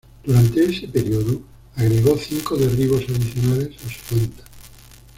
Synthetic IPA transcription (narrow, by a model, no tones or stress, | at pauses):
d̪̥uɾant̪eesepeɾjoðu | aɣɾeɣoθiŋkoðeriβ̞o̞saðiθjonale̞sasu̥βent̪ḁ